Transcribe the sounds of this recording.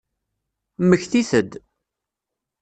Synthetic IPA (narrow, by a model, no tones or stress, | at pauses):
məçθiθəd̪